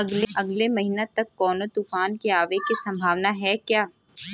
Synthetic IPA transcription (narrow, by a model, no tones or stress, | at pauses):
ɐɡleʔɐɡlemɐɦiːnat̪ɐkːɔːnot̪uːfaːnkeaːʋekisɐ̃mbʱaːʋnaɦɛkjaː